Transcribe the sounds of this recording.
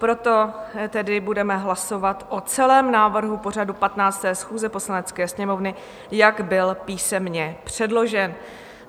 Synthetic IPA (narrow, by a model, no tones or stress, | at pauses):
pɾo̞t̪o̞t̪ɛdɪbudɛmɛɦlaso̞vat̪ʔot͡sɛlɛːmnaːvr̩ɦupo̞r̝adupat̪naːt͡st̪ɛːsxuːzɛpo̞slanɛt͡skɛːsɲɛmo̞vnɪ | jaɡbɪlpiːsɛmɲɛpr̝̥ɛdlo̞ʒɛn